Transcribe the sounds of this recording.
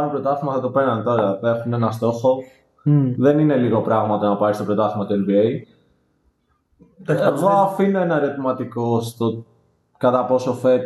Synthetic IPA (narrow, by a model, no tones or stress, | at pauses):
opɾo̞t̪ɐθimɐθɐt̪opeɾnɐnt̪o̞ɾɐe̞xunenɐst̪o̞xo̞ | ðe̞nine̞liɣo̞pɾɐɣmɐt̪ɐnɐpɐɾist̪opɾot̪ɐθimɐt̪uenbiej | eɣoɐfinenɐɾet̪imɐt̪ikost̪o | kɐt̪ɐpo̞so̞fet̪